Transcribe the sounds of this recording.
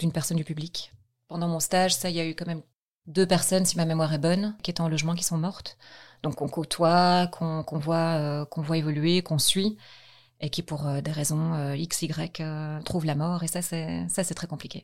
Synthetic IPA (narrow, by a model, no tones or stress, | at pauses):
d̪̥ynpɛʁsɔnd̪ypyblik | pɑ̃d̪ɑ̃mɔ̃st̪aʒsailjaykɑ̃mɛm | d̪øpɛʁsɔnsimamemwaʁɛbɔnkʲiet̪ɛɑ̃lɔʒmɑ̃k̬i̥sɔ̃mɔʁt̪d̪̥ɔ̃kɔ̃kot̪ʰwakʰɔ̃kɔ̃vwaøkɔ̃vwaevɔlyekɔ̃sɥi | ekʲipuʁød̪eʁezɔ̃øiksiɡʁɛkøt̪χuvlamɔːʁesasɛsasɛt̪χɛkɔ̃plikʲe